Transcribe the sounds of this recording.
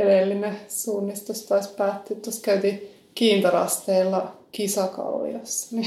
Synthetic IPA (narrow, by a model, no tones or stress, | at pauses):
edelːinesuːnːist̪ost̪ɑispæːt̪ːeːt̪t̪oskæyt̪i | kiːnt̪ɑrɑ̰st̪eːlːɑkisɑkɑ̰llḭɑsːɑ̥ni